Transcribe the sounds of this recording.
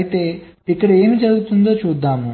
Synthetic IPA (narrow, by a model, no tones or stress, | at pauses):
ɐjit̪e̞ːikːɐɽɐe̞ːmid͡ʒɐɽuɡut̪und̪o̞ːt͡ʃuːd̪ːaːmu